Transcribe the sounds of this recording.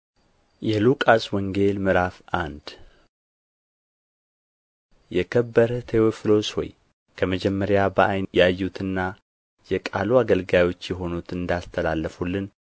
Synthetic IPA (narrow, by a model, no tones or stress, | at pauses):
jɛlukʼaswɔŋɡe̞lmɨɾafʔand̪ | jɛkʰəbːəɾt̪ʰeoflo̞swɔ̰j | kʰəməd͡ʒɛmːəɾjabəʔajnjajːut̪ʰɨnːa | jɛkʼa̰luaɡəlɡajo̞t͡ʃːjɛɦo̞nut̪ɨnd̪ast̪ʰəlalːəfulːɨn